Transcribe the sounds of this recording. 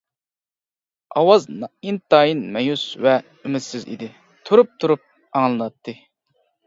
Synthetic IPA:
ɑwɑznint̪ɑːjinmɛjusvɛ | ymɪt̪sɪzḭd̪ɪ | t̪ʰuɾup̚t̪ʰuɾup̚ | ɑŋlˠɨnɑt̪ːɨ

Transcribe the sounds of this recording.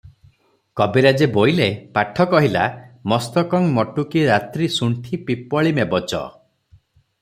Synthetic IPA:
kɔbeɾad͡ʒebojlepaʈʰɔkɔɦila̰mɔst̪ɔkɔŋmɔʈukiɾat̪ɾisuɳʈʰipipɔɭimebɔt͡ʃɔ̰

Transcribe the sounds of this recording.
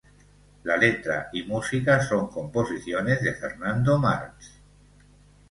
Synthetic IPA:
lalet̪ɾa̰imusikasoŋkomposiθjonezðefeɾnand̪oma̰ɾks

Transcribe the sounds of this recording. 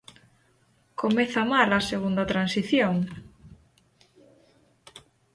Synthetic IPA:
komeθamalɐseɣund̪ɐt̪ɾansiθjoŋ

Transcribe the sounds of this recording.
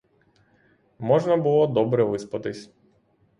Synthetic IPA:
mɔʒnɐbʊlˠɔd̪ɔbɾɛʋɪspɐt̪ɪsʲ

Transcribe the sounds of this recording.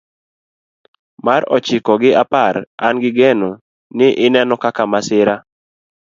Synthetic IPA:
maɾɔt͡ʃɪkɔɡɪapaɾa̰nɡɪɡɛno | nɪʔɪnɛnɔkakamasɪɾa

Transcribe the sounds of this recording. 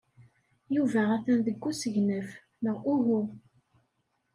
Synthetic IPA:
juvææθænðəɡʷːusəʝnəf | məʁʔuɦu

